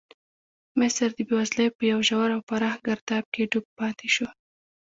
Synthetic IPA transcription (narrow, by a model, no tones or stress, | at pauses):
mɪsɾd̪əbiwazləjpəjawʒawaɾawpaɾɑxɡaɾd̪ɑb̪̚keɖuk̚pɑt̪ʰeʃo